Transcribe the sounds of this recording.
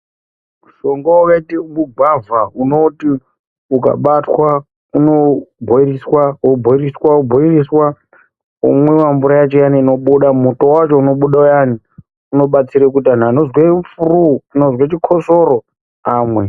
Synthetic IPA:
uʃo̞ŋɡaakaitimuɡʱwavauno̞ti | uka̰ɓatwa | uno̞bʱoiriswaubʱoiriswaubʱoiriswa | ṵmwewambuɾajat͡ʃojaniːno̞ɓuɗamuto̞wat͡ʃo̞uno̞ɓuɗaujani | uno̞ɓat͡siɾekutan̤anozwefuruano̞zwet͡ʃikʰo̞so̞ɾo̞ | aːmwe

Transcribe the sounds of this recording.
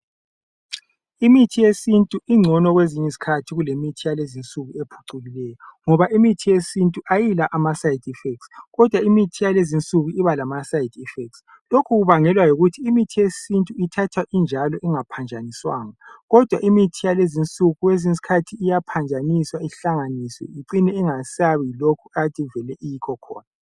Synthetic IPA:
imitʰijesintʼuʔiŋ͡ǀʱɔnɔɣweziɲɛsi̥kʰatʰiɣulemitʰijalezint͡sʼuɣuepʰu̥ǀulilɛjɔŋɔβaʔimitʰijesintʼuʔajilaʔamasajidʱifɛk̚tsɣɔd̥ʱwaimitʰijalezint͡sʼuɣuiβalamasajidʱifɛk̚ts | lokʰuɣuβaŋɛlwajoɣutʰiːmitʰijesintʼuitʰatʰwaʔind͡ʒʱalɔʔiŋapʰand͡ʒʱaniswa̰ːŋaɣɔd̥ʱwaʔimitʰijalezint͡sʼuɣuwezins̬i̥kʰatʰiːjapʰand͡ʒʱaniswaiɬaŋanisɔ̰jiǀinɛiŋasaβiilokʰuatʰʼivɛlɛʔijikʰɔkʰɔ̰ːna

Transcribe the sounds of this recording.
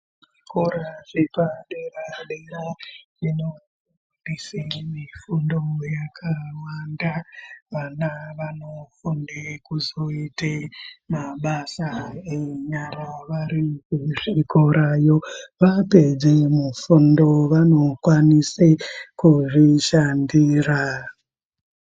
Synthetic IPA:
ʐʐikoɾaʐepaɗeraɗeɾa | ino | nisemifundojakʰawandaʋanaʋanofundekuzo̞itemaɓasaeɲaraʋaɾikuʐikoɾajo̞ʋape̞d͡zemufundo̞ʋano̞kwanisekuʐiʃandiːra

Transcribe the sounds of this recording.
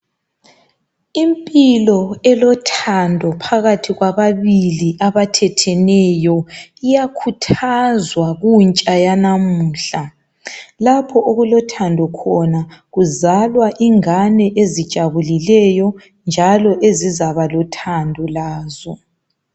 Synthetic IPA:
impʼilɔɛlɔtʰandʱɔpʰaɣatʰiɣwaβaβiliʔaβatʰɛtʰɛnɛjɔijakʰutʰazwaɣunt͡ʃʼajanamuːɬa | lapʰɔʔoɣulɔtʰandʱɔkʰɔnaɣuzalwaʔiŋanɛʔezid̥ʒ̥ʱaβulilɛjɔ | nd͡ʒʱalɔʔezizaβalɔtʰandʱɔlaːzɔ

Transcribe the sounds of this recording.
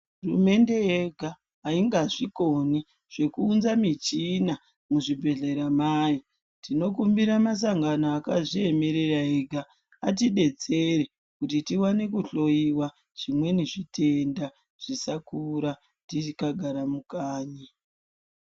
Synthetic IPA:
urṵme̞nde̞eɡʱaː | iŋɡaʐikoni | ʐ̥e̞kuːnzamit͡ʃina | muʐibʱe̞ɮe̞ɾamaːji | tino̞k̬umbiɾamas̬aŋɡanoakaʐie̞me̞ɾeraeɡʱaː | t̬iɗe̞t͡se̞re | kutitiwane̞kuɬo̞iwa | ʐ̥imwe̞niʐitʰe̞nda | ʐ̥isakuɾa | tiikaɡʱaɾamukaːɲa

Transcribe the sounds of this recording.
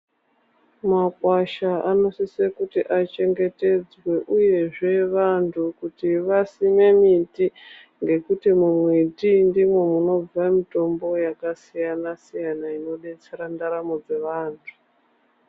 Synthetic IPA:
makwaʃaanosisekutiʔat͡ʃe̞ŋɡe̞te̞d͡zwe̞ʔuje̞ʐe̞ʋantʰukutiʋasimemiti | ŋɡe̞kutimumwetindimwe̞muno̞b͡vamito̞mbo̞jakasijanasijanaino̞ɗe̞t͡se̞ɾandaɾamo̞d͡ze̞ʋaːntʰu̥

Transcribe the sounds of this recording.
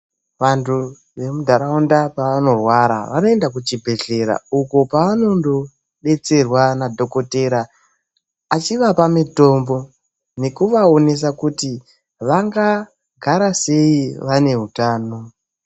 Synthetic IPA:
ʋantʰu | ʋe̞mudʱaɾaundapaʋano̞rwaɾa̰ʋanoe̞ndak̬ut͡ʃibʱe̞ɮe̞ɾa̰uko̞paːno̞ndo̞ | ɓe̞t͡se̞rwanadʱo̞ko̞teɾaː | t͡ʃiʋapamito̞mbo̞ | ne̞kuʋao̞ne̞s̬akuti | ʋaŋɡa | ɡʱaɾase̞iʋane̞ɦutaːno̞

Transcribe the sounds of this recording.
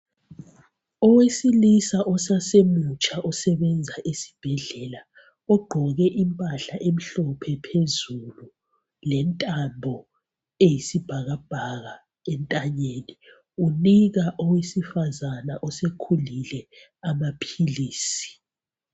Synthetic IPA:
ɔwesilisaʔɔsasemut͡ʃʼaʔɔsɛβɛnd͡zʱaʔesi̥b̥ʱɛɮɛla | ɔɡ͡ǃʱɔɣɛʔimpʼaɬaʔem̩ɬɔpʰɛpʰezulu | lɛntʼambʱɔ | ejisib̥ʱaɣab̥ʱaɣa | ɛntʼaɲeːni | uniɣaʔɔwesifazanaʔɔsekʰulilɛ | amapʰiliːsi̥

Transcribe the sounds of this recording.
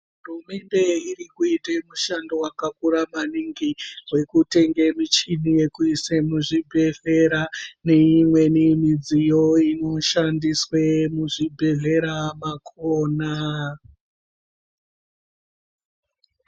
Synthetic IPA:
ɦurume̞nde̞irikuitemuʃandowakakuɾamaniŋɡiwe̞kute̞ŋɡe̞mit͡ʃinije̞kuisemuʐibʱeɮe̞ɾane̞imwe̞nimid͡zijo̞ino̞ʃandiswemuʐibʱe̞ɮe̞ɾamakʰoːna

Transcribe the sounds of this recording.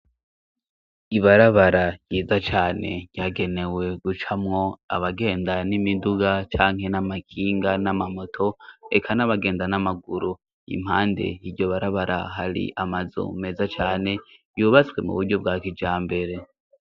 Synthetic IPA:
iβaɾaβaɾajiːzat͡ʃaːne̞̰ɟjaːɡe̞ne̞we̞ɡut͡ʃamŋo̞a̰βaɡe̞ːndanimiduɡat͡ʃaːŋ̥he̞namakʰiːŋɡanamamo̞tʰo̞ekʰanaβaɡe̞ːndanamaɡuɾu | ḭm̥haːnde̞̰iɟo̞βaɾaβaɾʔa̰ɦaɾḭʔamazo̰me̞ːzat͡ʃaːne̞juːβat͡swe̞mṵβuɾɟo̞bɡaːkid͡ʒaːmbe̞ɾe̞

